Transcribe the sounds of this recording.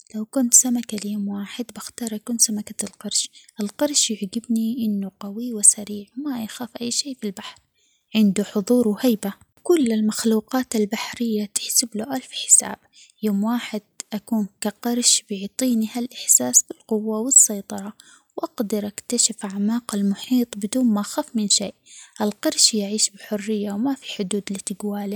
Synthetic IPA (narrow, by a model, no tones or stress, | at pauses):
lawkʊnt̪samakaljoːmwaːħɪd̪baxt̪ɑːɾˤʔakuːnsamakalqɑɾˤʃʔɪlqɑɾˤʃjɪʕɡɪbniʔɪnːuqawiwɪsaɾiːʕmajaxaːfʔajːʃeːfilbaħɾ | ʕɪnd̪uħʊðˤuːɾwhajba | kʊlːɪlmaxluːqɑːt̪albaħɾɪjːat̪ɪ̥ħsɪbluʔalfħɪ̥sa̰ːb̥ | joːmwaːħɪd̪̥̚ʔakuːnkaqɑɾˤʃbjʊʕt̪ˤiːnihalʔɪħsaːsbɪlqʊwːawɪsːɑjt̪ˤɑɾˤɑ | wʔaɡd̪ɑɾʔakt̪aʃɪfʕamaːqalmʊħiːt̪ˤbɪd̪uːnmaʔaxaːfmɪnʃeːʔʔalqɑɾˤʃjaʕiːʃbɪħʊrːɪjːawmafi̥ħʊd̪uːd̪lit̪ɪɡwaːli